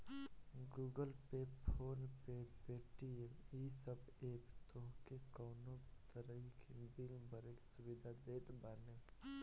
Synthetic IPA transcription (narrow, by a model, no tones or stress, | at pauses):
ɡuːɡəlpeːppʰoːnpepeːʈieisəbeːpt̪oɦkekɔːnõt̪əɾəikʰebɪlbʱəɾeksʊbɪd̪ʱad̪eːt̪baːne